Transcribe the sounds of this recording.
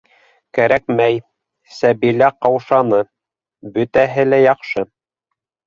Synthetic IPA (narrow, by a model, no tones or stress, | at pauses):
kæɾæk̚mæj | sæbilæqɑwʃɑnɤ | bɵ̆t̪æɦɘlæjɑqʃɤ